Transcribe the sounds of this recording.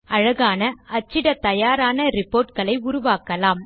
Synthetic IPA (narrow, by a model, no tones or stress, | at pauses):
ɐɻɐɣaːnɐʔɐt͡ʃːɪɽɐt̪ɐjaːɾaːnɐɾɪpoːɾʈkɐɭɐɪʊɾʊʋaːkɐlaːm